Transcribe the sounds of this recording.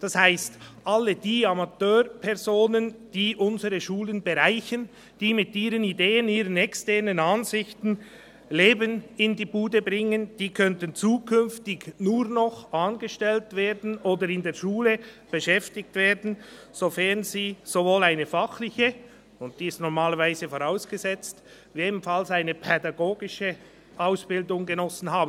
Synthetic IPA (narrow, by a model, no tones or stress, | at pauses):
d̥ashaɪstʔalːəd̥iːamatøːʁpʰɛʁzoːnənd̥iːʔʊnzəɾəʃuːlənbəʁaɪçən | d̥iːmɪtiːɾənideːəniːʁənɛkstɛɐnənɑnzɪçtn̩ | leːbənɪndiːbuːdəbʁɪŋənd̥iːkʰœntənt͡suːkʰʏnftɪɡnuːɾnɔχaːnɡəʃtɛltveːɾdn̩oːdəɾɪndeːɐʃuːləb̥əʃɛftɪk̚tv̥eːdn̩ | z̥ofɛnziːz̥ovoːlaɪnəfaχlɪçə | ʊnt̚d̥iːɪstnɔʁmaːləɾvaɪzəfoʁaʊsɡ̥əzɛt͡st | jeːdm̩falsaɪnəpʰɛdɑɡoːɡɪʃə | ʔaʊsb̥ɪldʊŋɡənɔsn̩ɦaːbn